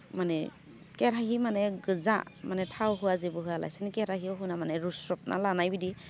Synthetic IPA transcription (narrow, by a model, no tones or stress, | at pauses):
mane | keɾaɦimaneɡɯza̰manetʰawɦɯwazibɯɦɯala̰jsinikeɾaɦiɔɦunamaneɾusɾɔp̚nʔa̰lanajbidi